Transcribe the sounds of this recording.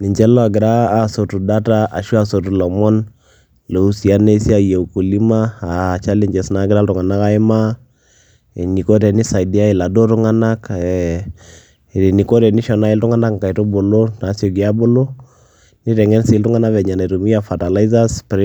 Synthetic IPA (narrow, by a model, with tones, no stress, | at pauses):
ni˨ɲt͡ʃɛ˦lɔ˦a˨ɡɪ˨ɾaː˦so˨tu˨da˦ta˦ʔa˨ʃu˦a˨so˨tu˨lɔ˨mɔ˦n | lo˨u˦si˨a˦ne˦si˦a˦je˨u˨ku˨li˦maː˦˨t͡ʃa˦lɛ˦ɲd͡ʒɛ˨sna˨˦ɡɪ˦ɾa˦ltʊ˨ŋa˨na˦ka˦ɪ˦ma˦˨ | ni˨ko˦t̬ɛ˨ni˦sa˨i˨di˦a˦ɪ˨la˨do˦tʊ˦ŋa˦na˦k | ni˨ko˦ɾɛ˨ni˦ʃɔ˨na˦ɪ˦ltʊ˦ŋa˦na˦kŋ˨ka˨i˨to˦bo˨lo˦na˨˦sjo˨ɡi˨a˦bo˦lo˦ | ni˦tɛ˨ŋɛ˦nsi˦ltʊ˦ŋa˦na˦vɛ˨ɲa˨na˨ɾo˨mi˦a˦˨fa˨ta˨la˦i˦za˦spɾ